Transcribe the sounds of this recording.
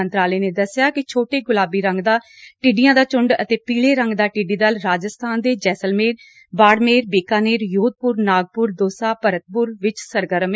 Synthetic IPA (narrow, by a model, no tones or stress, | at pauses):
ənt̪ɾaːleːneːd̪əsɪjaːkɪt͡ʃʰoːʈeːɡʊlaːbiːɾə̃ŋɡd̪aː | ʈɪɖijãːd̪aːt͡ʃʊɳɖə̰t̪eːpiːleːɾə̃ŋɡd̪aːʈɪɖiːd̪əlɾaːd͡ʒəst̪ʰaːnd̪eːd͡ʒɛːsəlmeːɾ | baːɽmeːɾbeːkaːneːɾjoːd̪̚pʊɾnaːɡ̚pʊɾd̪oːsaːpəɾət̪̚pʊɾʋɪt͡ʃsəɾɡəɾəm